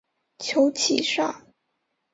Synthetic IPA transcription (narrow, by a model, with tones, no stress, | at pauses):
t͡ɕʰjo˧˥ʊt͡ɕʰḭ˨˩ʂa˥˩